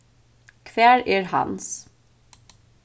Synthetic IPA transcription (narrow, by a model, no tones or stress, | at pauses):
kʰʋeːɹʏːɹhɑ̰ns